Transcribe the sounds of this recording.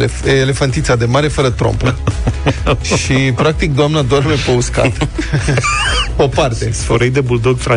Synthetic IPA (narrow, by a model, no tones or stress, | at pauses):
eːle̞fant̪it̪sad̪emaɾefəɾət̪ɾo̰mpə | ʃipɾak̚t̪ik̚d̪oamnad̪oarmepəuska̰t̪ | opart̪esfoɾəjd̪ebuld̪oɡfa